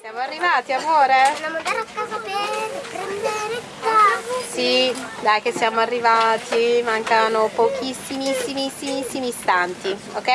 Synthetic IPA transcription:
ssjamoarːivaːt̪iamoːɾenamad̪aɾakːazapepɾɛnd̪eɾe | asid̪ajkesːjaːmoarːivaːt̪ʰimaŋkanopok̟isːimisːimisːimisːimiːst̪ant̪iokːɛ

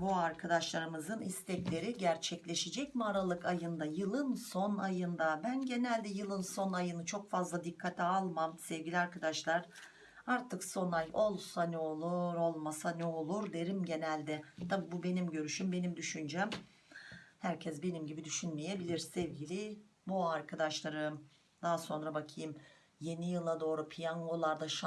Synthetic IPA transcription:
buaɾkʰad̪aʃlˠaɾɯmɯzɯnist̪ʰɛclʲe̞ɾiɟæɾt͡ʃʰɛclʲe̞ʃed͡ʒɛcmaɾalˠɯkajɯnd̪ajɯlˠɯnso̞najɯnd̪abænɟe̞nælʲd̪ɛjɯlˠɯnso̞najɯnɯt͡ʃʰo̞kfazlˠad̪ikʰːat̪ʰialˠmamsɛvɡɟilʲiaɾkad̪aʃlˠaɾ̥ | aɾt̪ʰɯkso̞najo̞lˠsanɯolˠuɾo̞lˠmasanɛo̞lˠuɾd̪e̞ɾimɟe̞nælʲd̪ɛt̪ʰabibube̞nimɟø̞ɾyʃymbe̞nimd̪yʃynd͡ʒɛm | hæɾcʰɛsbe̞nimɟibid̪yʃynmeje̞bilʲiɾsɛvɟilʲibuaɾkʰad̪aʃlˠaɾɯ | d̪̥aɦaso̞nɾabakʰɯjɯm | je̞nijɯlˠad̪o̞ːɾupʰijanolˠaɾd̪aʃ

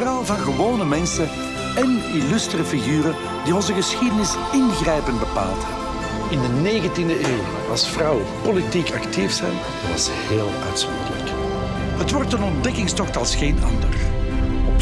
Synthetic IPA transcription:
raːlˠvɑnɣəʋoːnəmɛnsə | ɛnilʏstrəfiɣyːrə | d̥iɔnzəɣəsxidənɪs | ɪnɣrɛjpənbəpa̰ːlˠtə | ɪndəneːɣəntindəʔeːw | ɑ̰lˠsfrɑwəpolitikɑktifsɛ̰jn | ʋɑ̰səɦeːlˠœ̰tsɔ̰ndələ̰k | ɦətʋɔrtənɔndɛkɪŋstɔxtɑlˠsxeːnɑ̰ndə̰rɔ

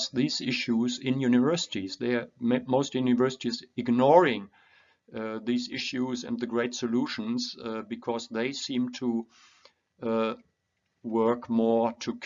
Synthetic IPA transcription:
sðiːzɪʃuzɪ̃njʉnɨvɜ˞sɪ̥tizðəmmoʊstjunɨvɜ˞sɪtizɪɡnɔɹɪ̃ŋ | ðiːzɪʃuzɨ̰̃nðɨɡɹeɪtsɨluʃə̃n̩zbɨkʰɔzðeɪsĩmtʰə | wɜ˞kmɔɹtʰɨkʰ

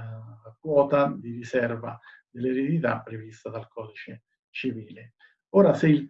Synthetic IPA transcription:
kwɔːt̪ad̪iɾisɛrva | d̪elːeɾed̪it̪apːɾevist̪ad̪alkʰɔːd̪it͡ʃe | t͡ʃiviːle | oːɾaseil

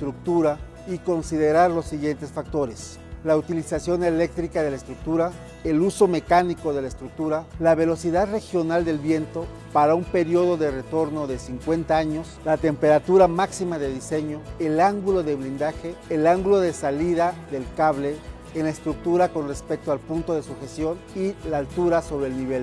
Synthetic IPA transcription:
st̪ɾuk̚t̪uɾa | iko̞nsiðe̞ɾaɾlo̞sːiɣje̞nt̪e̞sfak̚t̪o̞ɾe̞s | laut̪ilisasjo̞nele̞k̚t̪ɾikaðe̞laest̪ɾuk̚t̪uɾa | eluso̞me̞kaniko̞ðe̞laest̪ɾuk̚t̪uɾalaβe̞lo̞siðaðre̞xjo̞nald̪e̞lβje̞nt̪o̞ | paɾaumpe̞ɾjo̞ðo̞ðe̞ret̪o̞ɾno̞ðe̞siŋkwe̞nt̪aaɲo̞slat̪e̞mpe̞ɾat̪uɾamaksimaðeðise̞ɲo̞elaŋɡulo̞ðeβɾind̪axeːlaŋɡulo̞ðe̞saliðaðe̞lkaβle̞ː | nlaest̪ɾuk̚t̪uɾako̞nre̞spe̞k̚t̪oalpunt̪o̞ðe̞suxe̞sjo̞nilaːlt̪uɾaso̞βɾeːlniβel

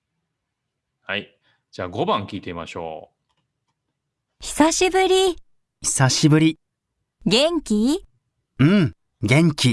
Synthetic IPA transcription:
hai | d͡ʑaːɡo̞bãŋkʲiːt̪e̞ima̰ɕo̞̰ː | çi̥saɕibɯɾʲi | çi̥saɕibɯ̟ɾʲi | ɡẽ̞ŋkʲi | ɯ̃ | ɡẽ̞ŋkʲi

